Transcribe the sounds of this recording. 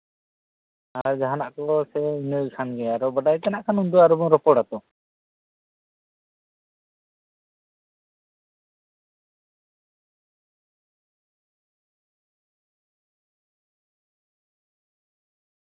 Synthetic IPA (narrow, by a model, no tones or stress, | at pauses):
aɾd͡ʒaɦanaʔkɔɔsɛinəʔkʰanɡɛaɾɔbaɖajt̪ɛnaʔkʰanund̪uaɾɔbɔŋɾɔpɔɽat̪ɔ